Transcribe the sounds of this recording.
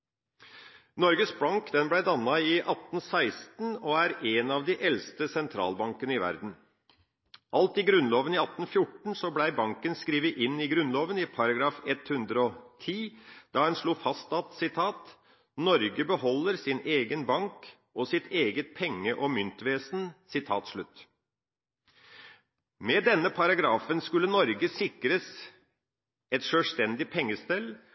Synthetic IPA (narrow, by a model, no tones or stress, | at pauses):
nɔɾɡəsbɑŋkd̪ɛnblæɪd̪ɑnːɑɪʔɑt̪n̩sæɪst̪n̩ɔæɾeːnɑʋd̪ɪʔɛlst̪əsɛnt̪ʰɾɑ̰ːlbɑŋkənəɪʋæ̰ɾd̪n̩ | ʔɑlt̪ɪɡɾʉnloːʋənɪɑt̪ːn̩fjʊʈɳ̩sɔblæɪbɑŋkənskɾiːʋəʔɪnːɪɡɾʉnloːʋənɪpʰɑɾɑɡɾɑːfɛt̪hʉnd̪ɾəɔt̪ʰiːd̪̥ɑːhɛnʂɭuːfɑst̪ɑt̪sɪt̪ʰɑːt̪ | nɔɾɡəbəhɔlːəɾsɪneːɡənbɑŋk | ʔɔsɪt̪ʰeːɡət̪̚pʰɛŋːəʔɔmʏnt̪ʋeːsnsɪt̪ʰɑːt̪ʂɭʉt̪ː | mɛd̪ɛnːəpʰɑɾɑɡɾɑːfənskʉlːənɔɾɡəsɪkɾəs | ɛt̪ʂøːlst̪ɛnd̪ɪpʰɛŋːəst̪ɛl